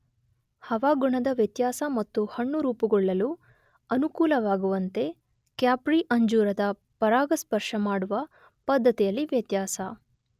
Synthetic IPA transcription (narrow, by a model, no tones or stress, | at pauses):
hɐʋaːɡuɳɐd̪ɐʋjɐt̪jaːsɐmɐt̪ːuhɐɳːuɾuːpuɡɔɭːɐlu | ɐnukuːlɐʋaːɡuʋɐnt̪e̞ | kjaːpɾiʔɐɲd͡ʒuːɾɐd̪ɐ | pɐɾaːɡɐspɐɾʂɐmaːɽuʋɐ | pɐd̪ːɐt̪ijɐlːiʋjɐt̪jaːsɐ